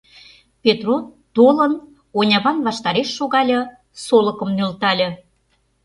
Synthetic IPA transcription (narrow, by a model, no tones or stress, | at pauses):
pʲet̪rot̪olən | onʲɑβɑnβɑʃt̪ɑɾeʃːoɣɑlʲɤ̆ | solə̆kə̆mnølt̪ɑlʲĕ